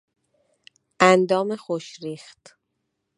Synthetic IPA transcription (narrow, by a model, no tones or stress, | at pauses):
ʔænd̪ɒːmexoʃɾiːxt̪